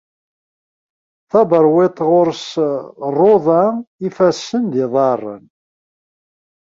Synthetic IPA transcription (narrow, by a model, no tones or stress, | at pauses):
θɑbəɾˤwet̪ˤːʁʊɾsrˤːoðˤɑifæsːənd̪iðˤɑrˤːə̰n